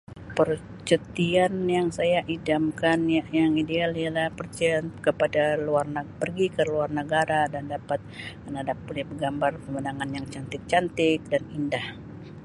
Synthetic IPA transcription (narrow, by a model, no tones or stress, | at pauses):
pər | t͡ʃət̪ianjaŋsajaʔidamkanjjaŋidealialahpərt͡ʃiankəpadaluarnəpərɡikəluarnəɡaɾadandapat̪̚mənadap̚ːulɪhbəɡambarpəmənaŋanjaŋt͡ʃant̪ɪk̚t͡ʃant̪ɪk̚danindah